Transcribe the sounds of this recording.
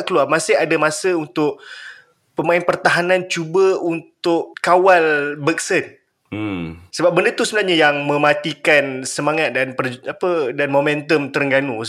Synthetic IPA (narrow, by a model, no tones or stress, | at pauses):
ʔkəluarmasɪɦadamasəunt̪ʊʔ | pəmaɪnpərt̪aɦanãnt͡ʃubəunt̪ʊʔkawalbək̚sən | səbap̚bəndət̪usəbənarɲajaŋmə̃mat̪ikansəmaŋat̪̚danpərapədanmomɛ̃nt̪əmt̪əɾŋɡanu